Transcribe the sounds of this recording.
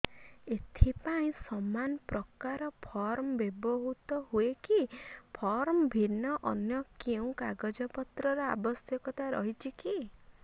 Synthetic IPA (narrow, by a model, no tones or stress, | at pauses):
et̪ʰipaĩsɔmanɔpɾɔkaɾɔpʰɔɾmɔbebɔɦut̪ɔɦuekipʰɔɾmɔbʱinːɔʔɔnjɔkeũkaɡɔd͡ʒɔpɔt̪ɾɔɾɔa̰bɔsjɔkɔt̪aɾɔ̰ɦit͡ʃʰiki